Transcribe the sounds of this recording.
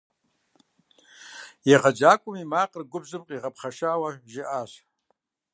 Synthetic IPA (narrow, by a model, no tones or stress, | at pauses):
jaʁad͡ʒakʷʼʊmimaqʼərɡʷʊbzɨpʼqʼiʁapʰχaʂaːwaʒɪʔaʃ